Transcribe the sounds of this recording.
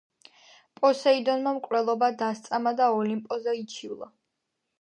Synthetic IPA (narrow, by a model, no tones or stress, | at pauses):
pʼɔsɛid̪ɔnmamkʼɾɛlˠɔbad̪ast̪sʼamad̪aɔlimpʼɔzait͡ʃʰivlˠa̰